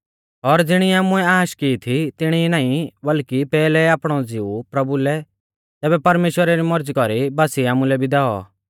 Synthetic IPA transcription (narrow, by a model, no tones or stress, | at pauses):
ɔɾd͡zɪɽ̃iaːmuɛaːʃkiːt̪ʰit̪ɪɽ̃inãːĩbɐlkipɛːlɛaːpɽ̃ɔd͡zɪupɾɐbulɛ | t̪ɛːbɛpɐɾmeːʃwəɾaɾimɔɾd͡zkɔɾibaːsiaːmulɛbʱid̪aɔ̰